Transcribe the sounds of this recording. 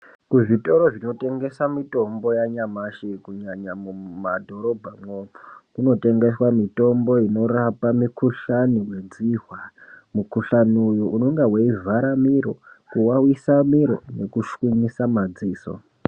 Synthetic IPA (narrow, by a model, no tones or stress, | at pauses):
kuʐito̞ɾoʐino̞te̞ŋɡe̞samito̞mbo̞jaɲamaʃekuɲaɲamumadʱo̞ɾo̞bʱamwomokuno̞te̞ŋɡe̞swamito̞mbo̞ino̞ɾapamikuɬaniwe̞d͡ziɦwamukuɬanujuʔuno̞ŋɡaweivʱaɾamiɾo̞̰kuwawisamiɾo̞̰ne̞kuʃwiɲisamad͡ziːso̰